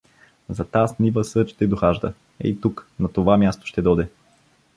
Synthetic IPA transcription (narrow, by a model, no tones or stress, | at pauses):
zɐt̪asnivəsɤt͡ʃt̪ɛd̪oxaʒd̪ə̰ | ɛ̰it̪uknɐt̪ovamʲjast̪o̥ʃt̪ɛd̪ɔd̪ɛ